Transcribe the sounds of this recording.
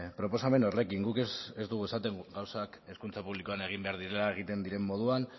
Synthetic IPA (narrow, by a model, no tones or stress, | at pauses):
pɾo̞po̞same̞norle̞kiŋɡukesezd̪uɣ̞ue̞sat̪e̞ŋuɡawsake̞skunt͡sapuβliko̞ane̞ɣ̞imbe̞aɾðiɾe̞lae̞ɣ̞it̪e̞nd̪iɾe̞mːo̞ð̞uan